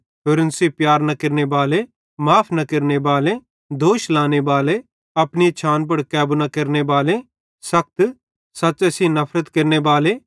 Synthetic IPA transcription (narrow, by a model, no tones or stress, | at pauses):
ɦʊɾənsipjaːɾnɐkɐɾnebaːle | maːpʰnɐkɐɾnebaːle | d̪oːʃlaːnebaːle | ɐpnit͡ʃʰaːnp̬ɐɽkɛːbunakɐɾnebaːle | sɐk̚t̪ | sɐːt͡ʃɐsinɐpʰɾət̪kɐɾnebaːle